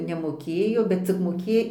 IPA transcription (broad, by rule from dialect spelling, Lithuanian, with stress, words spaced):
nʲɛmoːˈkʲeːjoː bʲɛt t͡sʲɪk moːˈkʲeː